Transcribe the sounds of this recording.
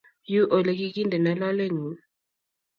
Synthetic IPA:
ju˦ʔo˨le˨ki˦ki˦ndʱɛ˨na˨la˦le˦ŋi˨˦

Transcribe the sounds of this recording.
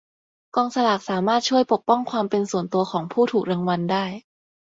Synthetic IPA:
kɔː˧ŋsa˧laː˨˩k̚saː˩˦maː˥˩t̪̚t͡ɕʰu˥˩əjpo˨˩k̚pɔ˥˩ŋkʰwaː˧mpe˧nsu˨˩ənt̪u˧ɐkʰɔː˩˦ŋpʰuː˥˩t̪ʰuː˨˩k̚ɾaː˧ŋwa˧ndaː˥˩j

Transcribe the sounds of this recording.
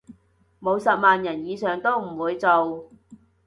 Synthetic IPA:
mo˨˧wsɐ˨p̚maː˨njɐ˨˩njiː˨˧sœː˨ŋt̪o˥wm̩˨˩wuː˨˧jt͡so˨w

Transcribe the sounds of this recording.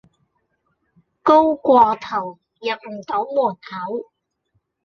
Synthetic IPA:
ko˥wkʷɔː˧t̪ʰɐ˨˩w | jɐ˨p̚m̩˨˩t̪o˨˥wmuː˨˩nhɐ˨˥w

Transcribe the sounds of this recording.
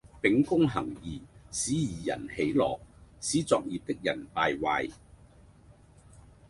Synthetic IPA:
pɪ˨˥ŋkʊ˥ŋɦɐ˨˩ŋjiː˨˩siː˨˥jiː˨˩jɐ̰˨˩nhe˨˥jlɔ̰ː˨k̚siː˨˥t͡sɔː˨k̚jiː˨p̚t̪ɪ˥k̚jɐ̰˨˩npaː˧jwa̰ː˨˧j

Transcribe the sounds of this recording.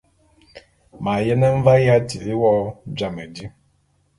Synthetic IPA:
ma˨jɛ˦nɛ˦ɱ̩˦va˦ja˦ti˨˦wɔ˦d͡ʒa˨mə˨di˦

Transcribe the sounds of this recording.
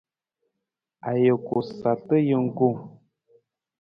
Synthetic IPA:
a˨jə˨ko˨sa˨tə˦jə˦ŋ̩˦ɡo˦˨m

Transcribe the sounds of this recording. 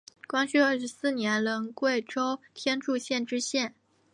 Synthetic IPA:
kwa˥nt͡ɕʰy˥˧ə˞˥˩ʂɻ̩˧˥sɹ̩˥˩njɛ˧˥nlə˧˥ŋkwe˥˩ɪʈ͡ʂo˥ʊt̪ʰjɛ˥nʈ͡ʂu˥˧ɕjɛ˥˩nʈ͡ʂɻ̩˥ɕjɛ˥˩n

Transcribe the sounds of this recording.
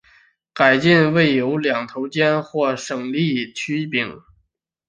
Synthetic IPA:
ka˨˩ɪt͡ɕi˥˧nwe˥˩ɪjo˧˥ʊljɑ˨˩ŋt̪ʰo˧˥ʊt͡ɕjɛ˥nxwɔ˥˩ʂɤ˨˩ŋli˥˩t͡ɕʰy˥pi˨˩˦ŋ

